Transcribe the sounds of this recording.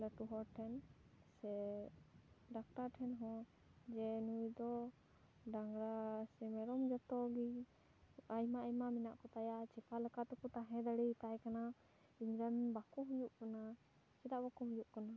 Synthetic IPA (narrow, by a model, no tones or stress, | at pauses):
ləʈuɦɔʈʰɛnsɛ | ɖak̚ʈaɾʈʰɛnɦɔ̃ | d͡ʒɛnujd̪ɔ | ɖaŋɡɾasɛmɛɾɔmd͡ʒɔt̪ɔɡi | ajmaajmaminaʔkɔt̪ajat͡ʃɛpʰalɛkat̪ɛkɔt̪aɦɛ̃d̪aɽɛt̪ajkana | iɲɾanbakɔɦujuʔkana | t͡ʃɛd̪aʔbakuɦujuʔkana